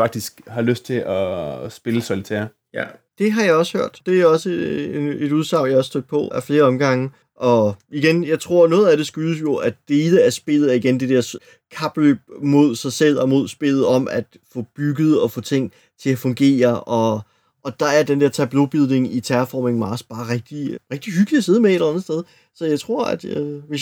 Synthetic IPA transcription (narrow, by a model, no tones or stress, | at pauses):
fɑ̈ɡ̥̚d̥isɡ̥hɑ̈løsd̥̚t͡sʰe̝ʔɒsb̥e̝ləsɒlit͡sʰɛ̰ɐ | jæd̥e̝ɦɑ̈jɑ̈ɪɒ̽sə̥høɐ̰d̥d̥e̝æɐɒ̽səed̥uð̞ˠsɑ̈ʊ̰jɑɒɑsd̥øɡ̥̚pʰɒ̽æfle̝ːɐɒ̽mɡ̥ɑ̈ŋə | ʔɒ̽iɡ̥enjɑ̈ɪt͡sʰʁo̝ɐ̰nɔ̽ːð̩ˠæɾ̥e̝sɡ̥yːəs̬jo̝æd̥e̝ːləæɐsb̥e̝l̰ð̩ˠæɐiɡ̥end̥e̝d̥ɛɐs | kʰɑ̈b̥løbmo̝ð̞̰ˠsɑ̈ɪsel̰ɒ̽mo̝ð̞̰ˠsb̥e̝l̰ð̞̩ˠɒ̽mæd̥fɔ̽b̥yɡ̥əð̞̩ˠɒ̽fɔ̽ːt͡sʰe̝ŋ̰ | t͡sʰe̝æfɔ̽ŋɡ̥e̝̰ːɐʔɒ̽ | ʔɒ̽d̥ɑ̈æɐd̥end̥eɐ̰t͡sʰæb̥lo̝b̥iðˠne̝ŋit͡sʰæɐfɒ̰ːmeŋmɑ̈ːsb̥ɑ̈ːʁɛɡ̥̚d̥iʁɛɡ̥̚d̥iɦyɡ̥li̥æse̝ð̞ˠmeelɐænð̩ˠsd̥eð̞ˠ | sɒ̽jɑ̈ɪt͡sʰʁo̝ɐ̰æ̰d̥ʋe̝s